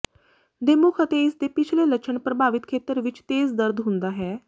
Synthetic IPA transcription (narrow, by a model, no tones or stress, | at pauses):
d̪emʊkʰət̪eɪsd̪epɪt͡ʃʰlelət͡ʃʰəɳpɾəbʱaːʋɪt̪kʰeːt̪əɾʋɪt͡ʃt̪eːzd̪əɾd̪ɦʊ̃nd̪aːɦɛː